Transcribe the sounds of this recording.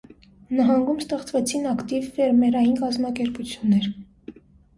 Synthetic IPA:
nɑɦɑŋɡumst̪ɛχt͡svɛt͡sʰinɑkt̪ivːɛɾmɛɾɑjinkɑzmɑkɛɾput͡sʰjunːɛɾ

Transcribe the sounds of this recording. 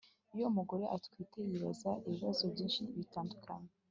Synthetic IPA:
ujomuɡo̞ɾe̞ʔatkwiːte̞jeɾḛzaʔiβiβazo̞bɟiːnʃiβitaːndukʰaɲe

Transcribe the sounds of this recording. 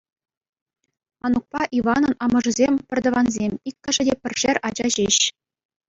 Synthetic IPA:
ɑnuk̚pɑʔiʋɑnɤ̆nɑmɤ̆ʐɤ̆zʲemʲpʲɘ̆rʲd̪ɤ̆ʋɑnzʲemʲikʲːɘ̆ʐɘ̆dʲepʲɘ̆rʲʐerʲʔɑd͡ʑɑʑeɕ

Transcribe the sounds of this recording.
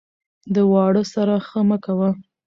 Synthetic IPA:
d̪əwɑɽəsaɾaxəməkawa

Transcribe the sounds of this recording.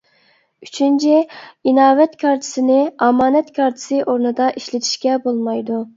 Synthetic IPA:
yt͡ʃʰynt͡ʃʰiinɑːvɛt̪kʰʲɑɾt̪ʰɪ̥sɪnɪɑmɑːnɛt̪kʲʰɑɾt̪ʰɪ̥sɨʔoɾnɨd̪ɑʔiʃlɪt̪ʰi̥ʃkʲɛbolˠmɑjd̪u

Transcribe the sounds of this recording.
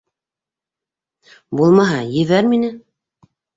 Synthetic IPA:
bulˠmɑɦɑjɘ̆βæɾminɘ

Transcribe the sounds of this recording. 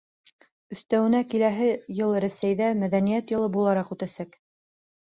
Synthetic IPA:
ɵ̆θt̪æwɘ̆nækilæɦɘjɤlˠɾæsæjðæmæðænijæt̪jɤ̆lˠɤbulˠɑɾɑqʉt̪æsæk

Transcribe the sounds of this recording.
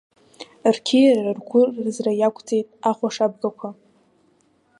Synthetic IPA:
rkʲʰirrarɡʷʊrːzrajakʷʰʼd͡zʼe̞jtʼaχʷaʂab̚ɡakʷʰa

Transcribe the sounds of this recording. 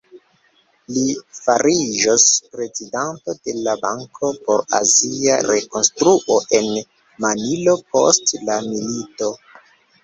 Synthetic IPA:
lifaɾid͡ʒospɾe̞zidanto̞de̞laba̰ŋkʰo̞po̞ɾa̰zia̰ɾe̞ko̞nstɾuʔoʔe̞n | manilo̞po̰stlamilito̞

